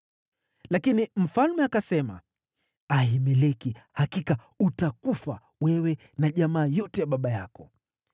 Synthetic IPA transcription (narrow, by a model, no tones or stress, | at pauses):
lakinim̩falmɛakasɛma̰ | ahimɛlɛkihakika | utakufa | wɛwɛ | naʄamaːjɔtɛjaɓaɓajakɔ